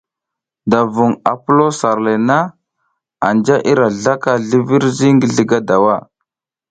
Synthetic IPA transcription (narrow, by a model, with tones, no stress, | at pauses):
da˨vu˨ŋa̰˨pu˦lo˦sa˨ɾle˨na˦ | a̰˨nd͡ʒa˦ʔi˦ɾa˨ɮa˦ka˦ɮi˦vi˦ɾzi˦ŋɡi˨ɮi˦ɡa˦da˨wa˦˨